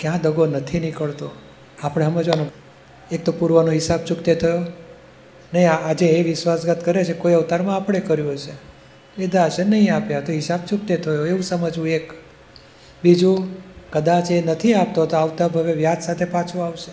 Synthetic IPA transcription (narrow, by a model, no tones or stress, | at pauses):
kjãd̪əɡonət̪ʰinikəɭt̪o | apəɽ̃eɦəmed͡ʒano | ek̚t̪opuɾʋənoɦɪsab̚t͡ʃukt̪et̪ʰəjo | nəɦĩaad͡ʒeːʋɪʃwʋasɡət̪kəɾet͡ʃʰekojaut̪aɾmãːpəɽ̃ekəɾjũɦt͡ʃʰe | ed̪at͡ʃʰenəɦĩapjat̪oɦɪsab̚t͡ʃuk̚t̪et̪ʰəjoeʋũsəməd͡ʒʋũek | bid͡ʒũkəd̪at͡ʃenət̪ʰiap̚t̪oɦt̪oaʋt̪abʱəʋeʋjat̪sat̪ʰepãt͡ʃʰuaʋʃe